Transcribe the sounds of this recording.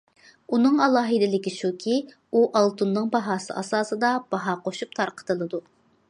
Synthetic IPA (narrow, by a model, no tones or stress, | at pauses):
unɨŋɑlˠɑːɦɨd̪ɪlɪkʲiʃukʲʰi | uʔɑlˠt̪ʰunːɨŋbɑɦɑːsɨ̰ʔɑsɑːsɨd̪ɑb̥ɑɦɑːqʰoʃup̚t̪ʰɑɾqʰə̥t̪ʰɨlˠɨd̪u